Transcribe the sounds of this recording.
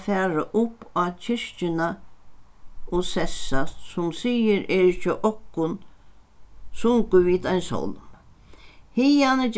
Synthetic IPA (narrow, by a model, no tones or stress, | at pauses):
fæːɾaʔʊpːacʰɪʂt͡ʃɪna | osɛsasʊmsijɪɾɛːɾɪt͡ʃɪʔɔkːʊn | sʊŋkʊʋiːd̪ajnsɔ̰wlm | hɪjanəd͡ʒ